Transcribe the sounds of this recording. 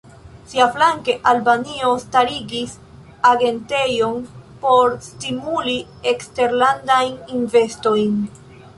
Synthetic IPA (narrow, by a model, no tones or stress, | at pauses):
siaflaŋke̞ʔalbanio̞staɾiɡis | aɡe̞nte̞jo̞npo̞ɾstimuli | ekste̞ɾlandajninve̞sto̞jn